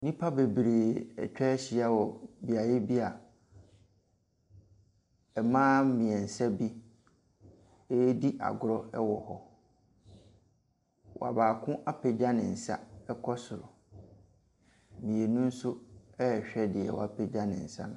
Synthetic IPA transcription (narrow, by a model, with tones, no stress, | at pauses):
nĩ˦pʰa˦be˨bɾeː˨ɛ̰˨t͡ɕᶣɛ˦ɕi˨a˦wɔ˨bi˨a˨je˦bi˦a˨ | ɛ˨mãː˦mĩ˨ɛ˨n̩˨sɛ˦bi˦ | e˦di˦ʔa̰˨ɡʊ˨ɾɔ˦ɛ˦wɔ˨hɔ˦ | wɔ̰˨a̰˨baː˨kʰʊ̃˦ʔa˦pʰɛ˨d͡ʑa˦nɪ̃˨n̩˨sa̰˦ɛ˦kʰɔ˦sʊ˨ɾʊ˨ | mĩ˨e˨nũ˦n̩˦sʊ˦ɛ˦˨ɕᶣɛ˦dɪ˨ɛ̰˨wɔ̰˨a˨pʰɛ˨d͡ʑã˦nɪ̰̃˨n̩˨sã̰˦˨